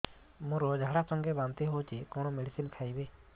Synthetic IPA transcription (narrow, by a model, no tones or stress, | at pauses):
mɔ̃ɾɔd͡ʒaɦɽasɔŋɡɛbant̪ɛɦot͡ʃikɔñɔmeɖisinkʰajbe